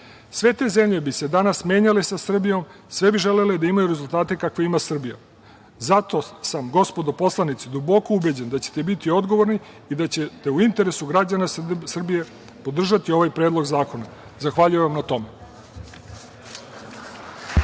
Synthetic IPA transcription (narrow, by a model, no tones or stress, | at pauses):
sʋe̞t̪e̞ːze̞mʎe̞bise̞d̪anasmje̞ːɲalesasr̩bijo̞m | sʋe̞biʒe̞le̞led̪aimajuɾezult̪aːt̪e̞kakʋeimasr̩bija | zat̪o̞samɡo̞spo̞d̪o̞po̞slˠanit̪sid̪ubo̞koubed͡ʑend̪at͡ɕe̥t̪ebit̪io̞d̪ɡo̞ʋo̞ɾniː | d̪at͡ɕet̪e̞uint̪e̞ɾe̞suɡɾad͡ʑanasr̩bije̞ | po̞d̪r̩ʒat̪io̞ʋajpɾed̪lˠo̞ɡzaːko̞na | zaxʋaʎujeʋamnat̪o̞me̞